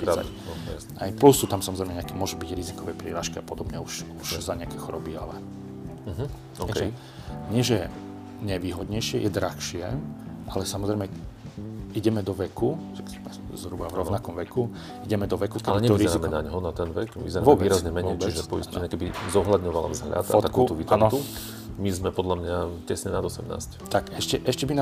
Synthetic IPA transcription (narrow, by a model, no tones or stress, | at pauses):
piɾaa̰ | ajplusːuːt̪amsamɔzɾɛɪmɛɲɛakɛmʊɔʒubiɟɾizikɔʋɛpɾḭːɾaːʃkiapɔd̪ɔbɲɛuʃuʃzaɲɪakɛxɔɾɔbia̰lɛ | ɦ | ɔkɛ | ɲɪɛʒɛ | ɲɛʋiːɦɔd̪ɲɛjʃɪɛjʔɛd̪ɾaxʃɪɛʔalɛsamɔzɾɛɪmɛ | iɟɛmɛd̪ɔʋɛku | akmɛ | zɦɾubavɾɔnakɔmʋɛku | iɟɛmɛd̪ɔʋɛkukɛaliɛɲɛɔɾizɛɾimɛnaɲɦɔnat̪ɛnʋɛkʋḭzɛɾaʋɔbɛiːɾazzɲɛmɛɲɛjiʒɛpɔḭsɲɛkɛbizɔɦlad̪ɲɔʋala̰vzɦʎa̰t̪at̪akuːuɔʋiːt̪anɔt̪u | mizmɛpɔd̪ʎamɲacɛsɲɛnad̪ɔsɛmna̰ːsct̪akɛʃcɛʔɛʃcɛbina